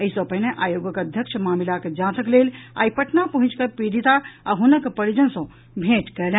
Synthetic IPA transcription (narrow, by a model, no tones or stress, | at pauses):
əisɔ̃pəɦineʔaːjoːɡəkəd̪ʱjəkʃʰmaːmilaked͡ʒãːt̪ʰəkleːla̰ːipəʈnapəɦũt͡ʃkəpɾiɾit̪aaɦunəkpəɾid͡ʒənsɔ̃ | bʱeːʈkɛːl̃